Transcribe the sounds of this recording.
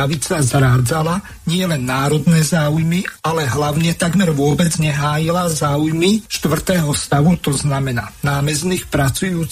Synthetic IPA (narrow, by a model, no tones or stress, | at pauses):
aʋit͡sazɾaːd͡zala | ɲɪɛlɛnːaːɾɔd̪nɛːzaːujmialɛɦlaʊɲɛt̪aɡmɛɾʋʊɔbɛd͡zɲɛɦaːjilazaːujmiʃt̪ʋr̩t̪ɛːɦɔst̪aʋut̪ɔznamɛna̰ːnaːmɛzniːxpɾat͡sujuːt͡s